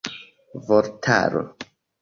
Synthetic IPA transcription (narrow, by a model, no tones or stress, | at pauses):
voɾtʰa̰ɾo̰